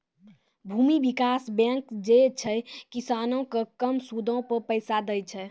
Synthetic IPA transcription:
bʱumibikasbɛ̃ŋkd͡ʒet͡ʃʰɛkisanokekəmsud̪ʱõpəɾpəjsad̪əjt͡ʃʰɛ

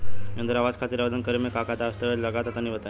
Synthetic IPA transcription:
jə̃nd̪əɾaʋad͡ʒkʰat̪iːɾaʋəd̪ənkəɾemẽkakad̪ast̪əʋələɡat̪at̪aniʋət̪a

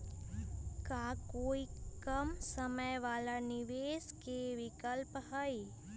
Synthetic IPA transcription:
kaːkoːikəmsəməjʋaːlanɪʋeːskeʋɪkəlpɦəi

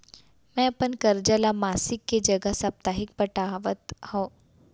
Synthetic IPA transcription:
mɛ̃ɐpənkɐɾd͡ʒəlamaːsɪkːed͡ʒɐɡəɦsɐp̚t̪aːɦɪk̚pəʈaːʋət̪hõː

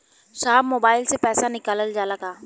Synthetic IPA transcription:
ʃaːbmoːbaːɪlsepɛːsanɪkaːləld͡ʒaːlɐɡaː

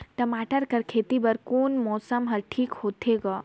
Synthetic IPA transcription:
ʈɐmaːʈəɾkɐɾkʰeːt̪ibɐɾkoːnmɔːsəmɦɐɾʈʰiːkhoːt̪eɡaː

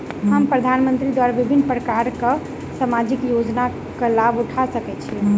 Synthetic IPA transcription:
ɦəmpɾəd̪ʱanmənt̪ɾid̪waɾabibʱinːpɾəkaɾke | samad͡ʒikjod͡ʒna | kelabuʈʰasəkɛt͡ʃʰi

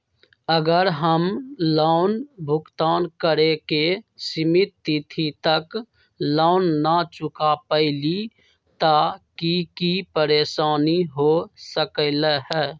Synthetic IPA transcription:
əɡəɾɦəmlaːʊnbʱʊkt̪aːnkəɾekesɪmɪt̪ːit̪ʰit̪ək | laːʊnːat͡ʃʊkapəɪli | t̪aːkikipəɾeːʃaːniɦosəkələɦɛː

